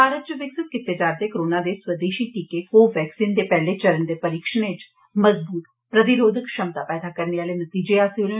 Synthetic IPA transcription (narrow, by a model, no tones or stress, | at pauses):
bʱaːɾət̪̚t͡ʃəʋɪksɪt̪̚kɪt̪ːed͡ʒaːɾd̪eːkəɾoːnaːd̪eːswəd̪eːʃiːʈikekoːʋɛːksiːnd̪eːpɛːleːt͡ʃəɾənd̪eːpəɾiːkʃənet͡ʃ | məzbuːt̪̚ | pɾət̪ɪɾoːd̪ʱəkʃəmt̪aːpɛːd̪aːkəɾneːaːleːnət̪iːd͡ʒeːaːsiʊle